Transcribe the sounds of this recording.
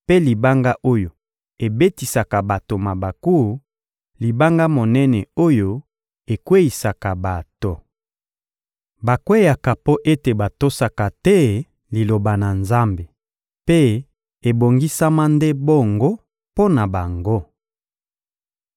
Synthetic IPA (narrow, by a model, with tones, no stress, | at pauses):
pe˦li˨ba˦ŋɡa˦ʔo˦jo˨ | e˨be˦ti˨sa˨ka˨ba˨to˨ma˨ba˨ku˦˨ | li˨ba˦ŋɡa˦mo˨nɛ˦nɛ˨o˦jo˦ | e˨kwe˦i˨sa˨ka˨ba˨to˨ | ba˨kwe˦ja˨ka˨po˦ʔe˦te˨ba˨to˦sa˨ka˨tɛ˦ | li˨lo˨ba˨na˨nza˦mbe˨ | pe˦ | e˨bo˨ŋɡi˦sa˦ma˦nde˦bo˦˨ŋɡo˦ | po˦na˨ba˨ŋɡo˦